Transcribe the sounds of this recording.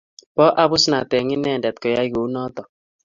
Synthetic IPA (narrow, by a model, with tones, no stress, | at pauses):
pɔ˦ʔa˦βʊ˦sna˨tɛ˨ŋɪ˦nɛ˦˨ndɛ˨tkɔ˨ja˦i˦ɣo˨u˦nɔ˦tɔ˨